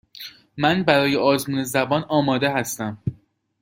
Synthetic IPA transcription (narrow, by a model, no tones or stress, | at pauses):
mænbæɾɒːjeɒːzmuːne̞zæbɒːnɒːmɒːd̪e̞ɦæst̪æm